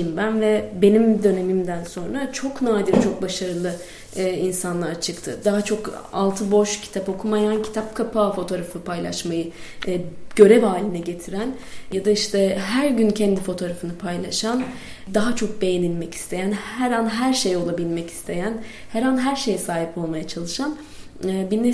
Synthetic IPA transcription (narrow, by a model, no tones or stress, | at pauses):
imbænvɛbe̞nimd̪ø̞ne̞mimd̪ænso̞nɾat͡ʃʰo̞knaːd̪iɾt͡ʃʰo̞k̚baʃaɾɯlˠɯː | insanlˠaɾt͡ʃʰɯkt̪ʰɯd̪aɦat͡ʃʰo̞ka̰lˠt̪ʰɯbo̞ʃcʰi̥t̪ʰapo̞kʰumajancʰi̥t̪ʰap̚kʰapʰaːfo̞t̪ʰo̞ɾafɯpʰajlˠa̰ʃmajɯ | ɟ̥ø̞ɾɛvaːlʲinɛɟe̞t̪ʰiɾæn | jad̪aiʃt̪ʰɛɦæɾɟyncʰɛnd̪ifo̞t̪ʰo̞ːɾafɯnɯpʰajlˠaʃan | d̪aɦat͡ʃʰo̞k̚be̞jenilʲmɛci̥st̪ʰe̞jænhɛɾanɦæɾʃejo̞lˠabilʲmɛci̥st̪ʰe̞jænhɛɾanɦæɾʃe̞jɛsaːɦipo̞lˠmajat͡ʃʰalˠɯʃan | binːe